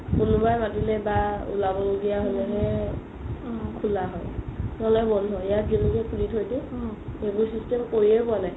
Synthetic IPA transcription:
kunʊbajmatilɛbaṵlabɔloɡijaɦolɛɦɛ | kʰulaɦɔjnɔlɛjbɔndʱɔɛjat̚zinikɛkʰulitʰojdɛebuɹsistɛmkoɹiɛpʊanaj

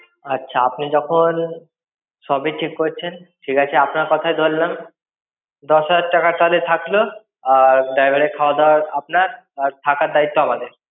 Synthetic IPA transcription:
atːɕʰaapnid͡ʑɔkʰon | ʃɔbiʈʰikːoɾt͡ɕʰenʈʰikat͡ɕʰeapnaɾkɔt̪ʰajd̪ʱollam | d̪ɔsɦad͡ʑad̪ʈakaɾt̪alet̪ʰaklo | ɖajbʱaɽekʰaoad̪aɾapnaɾ | t̪ʰakaɾd̪ait̪ːoamad̪eɾ

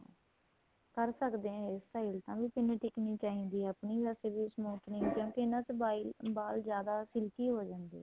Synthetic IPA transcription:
kəɾsəkd̪eːɦãːɪsʈaːilt̪ãːʋiːpɪnẽːʈɪkniːt͡ʃaːɦiːnd̪iːəpniːʋɛːseːbiːsəmuːt̪nĩːkjõːkɪɪnãːt͡ʃəbaːilbaːld͡ʒjaːd̪aːsɪlkiːɦoːd͡ʒãːnd̪ḭː

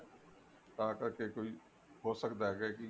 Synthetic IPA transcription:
t̪aːkəɾkekoːiː | ɦoːsəkd̪aɦɛːɡaki

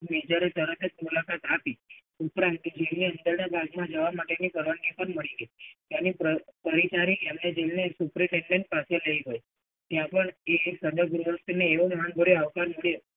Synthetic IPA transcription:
med͡ʒəɾt̪əɾət̪ʰed͡ʒmulakat̪api | upɾãnt̪d͡ʒelneənd̪əɾnabʱaɡmãd͡ʒəʋamaʈenipəɾʋaɳɡipəɳməɭiɡəit̪janipəpəɾit͡ʃaɾikemned͡ʒelnesupɾiʈeɳɖeɳʈ̚paseləiɦoj | t̪jãpəɳesəd̪əɡɾoʋəst̪ineːʋomanbʱəɽeaʋkaɾməɭo

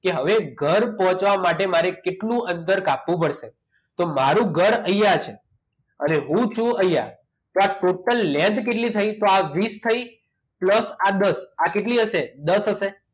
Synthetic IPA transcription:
keɦəʋeɡʱəɾpɔɦɔ̃t͡ʃʋamaʈemaɾekeʈlũənd̪əɾkapʋũpəɽʃe | t̪omaɾũɡʱəɾəijat͡ʃʰe | əneɦũt͡ʃʰũʔəja̰ | t̪oaʈoʈəlːɛ̃ɳɖ̪keʈlit̪ʰəit̪oaʋist̪ʰəi | pləsad̪əsakeʈliɦəʃed̪əsɦəʃe

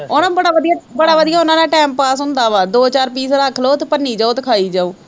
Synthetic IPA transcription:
onãːbəɽaːʋəd̪ijaːbəɽaːʋəd̪ijaːʊnãːnẽːʈɛːmpaːsɦʊ̃nd̪aːʋaːd̪oːt͡ʃaːɾpiːsɾakʰloːt̪pənːiːd͡ʒaːoːt̪kʰaːiːd͡ʒaːoː

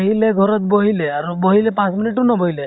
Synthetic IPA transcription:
ɦileɡʱɔɾɔt̪̚boɦileaɾuboɦilepãsminiʈunɔbɔɦile

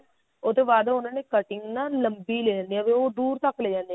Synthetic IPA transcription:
oːt̪oːbaːd̪ʊnãːneːkəʈɪŋɡnãːləmbiːleːd͡ʒãːnd̪iɦɛːʋeoːd̪uːɾt̪əkːleːd͡ʒãːnd̪iɛ

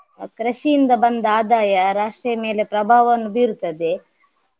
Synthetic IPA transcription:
kɾɐʃijind̪ɐbɐnd̪aːd̪aːjɐɾaːʂʈɾɐjɐme̞ːle̞pɾɐbʱaːʋɐnːubiːɾut̪ːɐd̪e̞

